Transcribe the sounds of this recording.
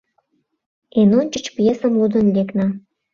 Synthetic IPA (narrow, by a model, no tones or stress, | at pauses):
enonʲt͡ɕə̆t͡ɕpjesəmud̪ə̆nleknɑ